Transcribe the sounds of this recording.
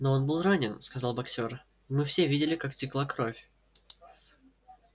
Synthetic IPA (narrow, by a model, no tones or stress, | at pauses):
no̞o̞nbɨlˠranʲɪnskɐzalˠbɐksʲo̞r | mɨfsʲe̞vʲidʲɪlʲɪkaktʲɪklˠakɾo̞fʲ